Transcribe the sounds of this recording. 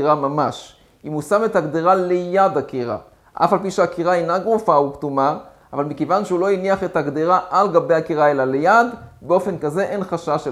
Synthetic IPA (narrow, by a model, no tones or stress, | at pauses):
ʁamamaʃ | imusame̞thaɡd̪iʁalejad̪akiʁa̰ | ʔa̰falpiʃeakiʁaenaɡʁufauktuma | ʔavalmikevanʃeulo̞iniaχe̞thaɡd̪iʁaʔalɡabe̞jakiʁaelalejad̪beo̞fe̞nkaze̞ʔe̞nχaʃaʃe